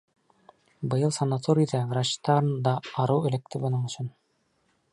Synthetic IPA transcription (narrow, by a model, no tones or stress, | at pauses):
bɤ̆jɤlˠsɑnːat̪oɾʲid̪æɾɑɕt̪ɑɾnd̪ɑːɾɤwɘ̆læk̚t̪ɘbɤ̆nɤɴɵ̆ɕsɵn